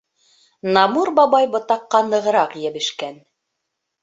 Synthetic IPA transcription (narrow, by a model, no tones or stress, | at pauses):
nɑmuɾbɑβɑjbɤ̆t̪ɑqːɑnɤ̆ʁɤ̆ɾɑqjæbɘ̆ʃkæn